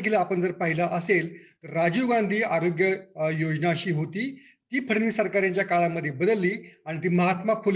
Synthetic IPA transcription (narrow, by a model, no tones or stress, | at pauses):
kiləapəɳd͡zəɾpaɦilaʔəselt̪əɾːad͡ʑuɡand̪ʱiːaɾoɡjəjod͡ʑnaɕiːɦot̪iːt̪iːpʰəɽniːsəɾkaɾjãɲt͡ɕjakaɭamːəd̪ʱːjebəd̪əlːiːaɽ̃it̪̬iːməɦat̪mapul